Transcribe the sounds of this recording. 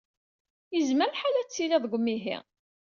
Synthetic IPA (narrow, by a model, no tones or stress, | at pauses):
jəzməɾħalæt͡sːiliðˤɡʷəmːiɦḭ